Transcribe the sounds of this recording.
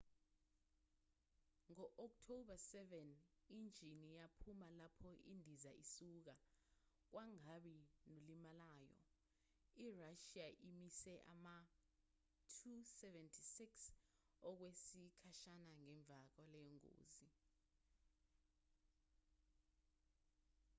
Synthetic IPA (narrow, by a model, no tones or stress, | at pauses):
ŋɔʔɔk̚tʰoɓasɛvɛn | ind͡ʒʱinijapʰumalapʰɔʔindʱizaisuːk̬a | k̬wʔaŋaɓinolimalaːjɔ̰ | iraʃiaʔimisɛʔa̰ma | tʰusɛvɛntʰisiks | ɔk̬wesikʰaʃanaŋɛɱb̪vʱak̬ɔlɛjɔŋo̰ːzi